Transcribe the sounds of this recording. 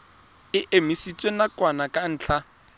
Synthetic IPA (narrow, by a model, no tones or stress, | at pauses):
ɪʔemisit͡sʼwenakʼwanakʼan̩ːt͡ɬʰa